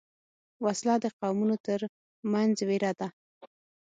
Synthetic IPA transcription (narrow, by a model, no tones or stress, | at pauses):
waslɑd̪əqawmunot̪əɾ | manzweɾɑd̪a